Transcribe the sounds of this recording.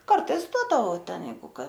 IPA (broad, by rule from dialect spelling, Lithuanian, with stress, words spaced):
kɐrˈtɐɪs ˈduɔdɐʋɐʊ ˈtʲɛn ˈjɛɪɡʊ ˈkɐ